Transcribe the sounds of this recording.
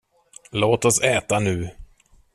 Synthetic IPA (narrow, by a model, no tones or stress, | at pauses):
loːt̪ɔsɛːt̪anʉ̟ː